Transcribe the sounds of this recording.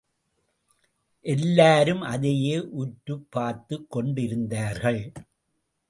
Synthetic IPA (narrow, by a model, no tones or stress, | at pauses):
ʔɛlːaːɾɯmʔɐðɐjeːʔʊʈɾɯpːaːɾt̪ɯkːɔɳɖɪɾɯnd̪aːɾɣɐɭ